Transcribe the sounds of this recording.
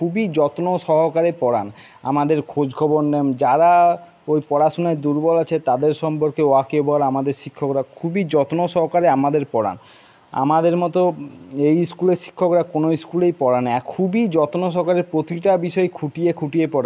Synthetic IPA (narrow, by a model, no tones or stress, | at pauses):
kʰubid͡ʑɔt̪noʃɔɦokaɾepɔɽan | a̰mad̪eɾkʰod͡ʑɡʰʱɔbonːemd͡ʑaɾa | ojpɔɽaʃunaed̪uɾbɔlat͡ɕʰet̪ad̪eɾʃɔmpoɾkeoakebɔlamad̪eɾʃikʰːokɾakʰubid͡ʑɔt̪noʃɔɦokaɾeamad̪eɾpɔɽa̰n | a̰mad̪eɾmɔt̪oejskuleʃi̥kʰːokɾakonoiskulejpɔɽanːaakʰubid͡ʑɔt̪noʃ̬ɔɦkaɾeɾpɾot̪iʈabiʃɔekʰuʈiekʰuʈiepɔɽan